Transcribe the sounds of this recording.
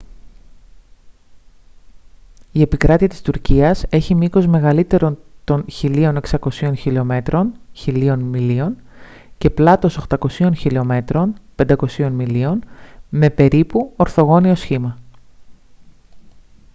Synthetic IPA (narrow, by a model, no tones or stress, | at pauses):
ie̞pikɾɐt̪iɐt̪i̥st̪uɾciɐse̞çimiko̞zme̞ɣɐlit̪e̞ɾo̞nt̪o̞nçilio̞ne̞ksɐko̞sio̞nçilio̞me̞t̪ɾo̞nçilio̞nmilio̞n | ce̞plɐt̪o̞so̞xt̪ɐko̞sio̞nçiliome̞t̪ɾo̞npend̪ɐko̞sio̞nmilio̞nme̞pe̞ɾipuo̞ɾθo̞ɣo̞nio̞sçimɐ